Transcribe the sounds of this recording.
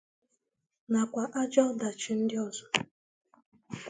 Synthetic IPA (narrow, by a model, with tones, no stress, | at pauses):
na˨kʷa˨ʔa˦d͡ʒɔ˦da˨t͡ʃɪ˨n̩˦dɪ˦ɔ˨zɔ˨